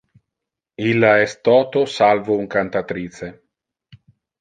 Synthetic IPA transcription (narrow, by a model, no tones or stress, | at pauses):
ilːaɛst̪ɔːt̪osalvouŋkant̪at̪ɾise